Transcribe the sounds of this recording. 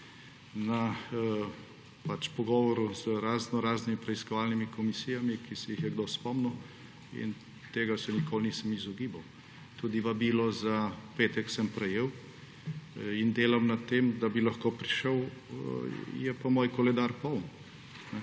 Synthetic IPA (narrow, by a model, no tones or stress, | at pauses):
na | pat͡ʃpɔɡɔːʋɔɾuzəɾaːznɔɾaːznimipɾɛiskɔʋaːlnimikɔmisiːjamikisɛjixjɛɡd̪ospɔmnu | ḭn | t̪eːɡasɛnikoːlniːsəmizɔɡiːbaw | t̪ud̪iʋabilɔzapeːt̪ɛksəmpɾɛjeːw | ind̪eːlamnat̪emd̪abilɐxkoːpɾiʃəw | jɛpamoːjkɔlɛd̪aɾpɔwn | nɛ